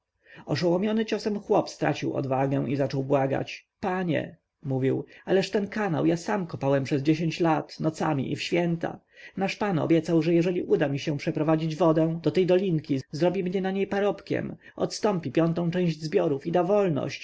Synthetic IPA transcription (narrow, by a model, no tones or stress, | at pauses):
ɔʂɔwɔmʲjɔnɘt͡ɕɔsɛmxwɔpst̪ɾa̰t͡ɕiwɔ̰d̪vaɡɛ̃ʔizat͡ʂɔwbwaɡa̰t͡ɕpaɲɛ̰ | muvʲiwalɛʂt̪ɛnkana̰wjasamkɔpawɛmpʂɛzd͡ʑeɕeɲt͡ɕlat̪nɔt̪samʲḭʔḭfɕfʲjɛnt̪a̰ | naʂpanɔ̰bʲjɛt̪sawʐɛjɛʐɛlʲiʔud̪amʲiɕɛ̃pʂɛpɾɔvad͡ʑid͡ʑvɔd̪ɛ̃d̪̥ɔt̪ɛjd̪ɔlʲiŋkʲizɾɔbʲimɲɛnaɲejpaɾɔpkʲɛ̰m | ɔ̰t̪st̪ɔmpʲipʲjɔnt̪ɔ̃w̃t͡ʂɛ̃w̃ʑd͡ʑzbʲjɔɾufid̪avɔlnɔ̰ɕt͡ɕ